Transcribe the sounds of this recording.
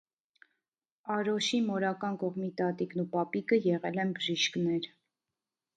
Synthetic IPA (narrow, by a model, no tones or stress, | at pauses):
ɑɾɔʃimɔɾɑkɑnkɔʁmit̪ɑt̪iknupɑpikəjɛʁɛlɛnbəʒiʃknɛɾ